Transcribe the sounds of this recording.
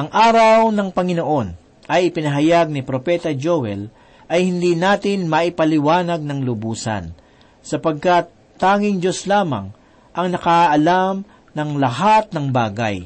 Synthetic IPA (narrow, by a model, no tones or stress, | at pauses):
ʔɐŋʔaːɾɐwnɐŋpɐŋɪnoʔo̞n | ʔɐjɪpɪnɐɦɐjaɡ̚nɪpɾopɛt̪ɐd͡ʒowɛl | ʔɐjhɪnd̪iːnaːt̪ɪnmɐʔɪpɐlɪwaːnɐɡ̚nɐŋlʊbuːsɐ̰n | sɐpɐɡ̚kat̪ːaːŋɪŋd͡ʒoslaːma̰ŋ | ʔɐŋnɐkaʔɐlam | nɐŋlɐɦat̪̚nɐŋbaːɡa̰j